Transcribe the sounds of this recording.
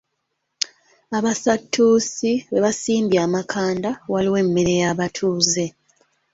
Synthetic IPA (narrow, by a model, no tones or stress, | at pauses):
aβasatːuːsiβe̞βasiːmbjaːmakʰaːndawaliwe̞ːmːeɾe̞jaβatʰuːze̞